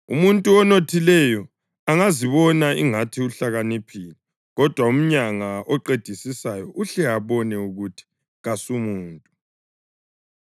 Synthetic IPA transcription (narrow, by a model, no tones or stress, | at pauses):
ṵmuntʼuɔnotʰilɛjɔ | aŋaziβɔnaiŋatʰiuɬaɣanipʰili | ɣɔd̥ʱwaum̩ɲaŋaʔɔǃed̥ʱisisajɔʔuɬɛaβɔnɛuɣutʰi̥ | ɣasumuːntʼu